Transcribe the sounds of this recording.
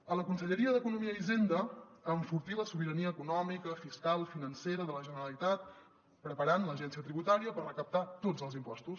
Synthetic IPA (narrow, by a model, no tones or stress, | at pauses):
ələkunsəʎəɾiəðəkunumiəizend̪əːɱfuɾt̪iləsuβiɾəniəːkunɔmikəfiskalˠfinənseɾəðələʒənəɾəlit̪at̪̚ | pɾəpəɾanləʒɛnsiət̪ɾiβut̪aɾiəpərrəkəp̚t̪at̪od͡zəlˠzimpɔst̪us